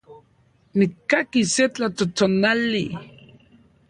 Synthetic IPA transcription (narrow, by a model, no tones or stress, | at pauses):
nikːakiset͡ɬat̪ot̪onali